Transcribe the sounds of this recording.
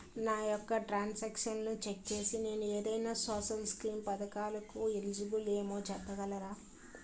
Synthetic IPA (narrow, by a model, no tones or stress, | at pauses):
naːjɔkːɐʈɾaːnsaːkʂɐnnut͡ʃek̚t͡ʃe̞ːsine̞ːnueːd̪ɐjnaːsoːsɐlskɾiːmpɐd̪ɐkaːlɐkuelid͡ʒibuleːmo̞ːt͡ʃɛpːɐɡɐlɐɾaː